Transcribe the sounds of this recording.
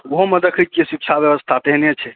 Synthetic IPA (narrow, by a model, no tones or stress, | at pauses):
woɦoməd̪əkʰit̪̚kesik̚t͡ʃʰabjəbəst̪ʰat̪eɦnet͡ʃʰɛ